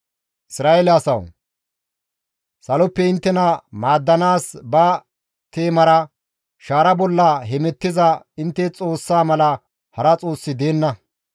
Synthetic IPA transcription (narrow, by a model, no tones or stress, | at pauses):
ʔɪsɾaːʔelɛɐsɐw | sɐlɔpːɛɪnt̪ːɛnɐmaːd̪ːɐnaːsbɐ | t̪e̞ːmɐɾɐ | ʃaːɾɐbɔlːɐɦɛmɛt̪ːɪzɐ | ɪnt̪ːɛt͡sʼo̞ːsːaːmɐlɐ | hɐɾɐt͡sʼo̞ːsːɪd̪e̞ːnːɐ